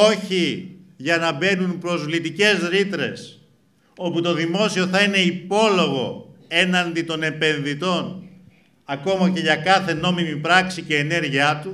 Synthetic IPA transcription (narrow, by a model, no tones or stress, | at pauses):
o̞çiʝɐnɐbe̞nunpɾo̞zvlit̪ice̞zɾit̪ɾe̞s | o̞put̪o̞ðimo̞sio̞θɐine̞ipo̞lo̞ɣo̞̰e̞nɐnd̪it̪o̞ne̞pe̞nðit̪o̞n | ɐko̞mɐce̞ʝɐkɐθe̞no̞mimipɾɐksice̞ːne̞ɾʝiɐt̪u